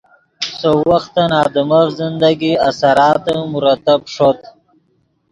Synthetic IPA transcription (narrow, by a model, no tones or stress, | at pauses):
sowaxt̪anɑːd̪əmafzɪnd̪aɡiasaɾɑːt̪əmʊɾat̪abʂot̪